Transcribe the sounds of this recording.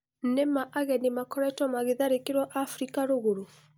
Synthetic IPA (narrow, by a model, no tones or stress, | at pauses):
nemaʔaɣɛnemakɔɾɛtwɔmaɣeðaɾekeɾwɔʔafɾikaɾoɣoɾo